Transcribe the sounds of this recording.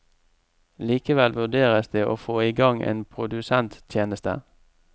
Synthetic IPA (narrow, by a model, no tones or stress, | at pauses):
liːkəʋɛlʋʉɖ̪eːʁəsd̪eːʔoːfoːiɡɑŋʔḛːnpʰʁʊd̪ʉsɛnt̪ʰjeːnəst̪ə̰